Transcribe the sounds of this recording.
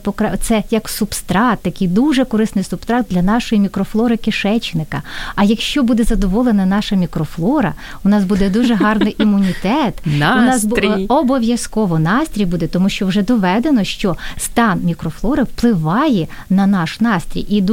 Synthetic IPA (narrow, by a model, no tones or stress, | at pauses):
pɔkɾɛt̪sɛjɐksupst̪ɾɑt̪ːɐkijd̪uʒɛkɔɾɪsnɪjsʊpst̪ɾɑd̪̚d̪lʲɐn̪ɑʃɔjimʲikɾɔflˠɔɾɪkɪʃɛt͡ʃnɪkɐɐjɐkʃt͡ʃɔbud̪ɛzɐd̪ɔʋɔlˠenɐnɑʃɐmʲikɾɔflˠɔɾɐ̰ | ʊnɑsbud̪ɛd̪uʒɛɦɑrnɪjʔimʊnʲit̪ɛt̪unɑsɔbɔʋʲjɐskɔʋɔnɑst̪ʲɾʲijbud̪ɛt̪ɔmuʃt͡ʃɔwʒɛd̪ɔʋɛd̪enɔʃt͡ʃɔst̪ɑnmʲikɾɔflˠɔɾɪwplˠɪʋɑjɛ | nɐnɑʃnɑst̪ʲɾʲḭjid̪